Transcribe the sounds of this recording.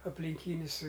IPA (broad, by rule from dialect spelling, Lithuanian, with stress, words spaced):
ɐpʲlʲɪŋʲˈkʲiːnʲɪs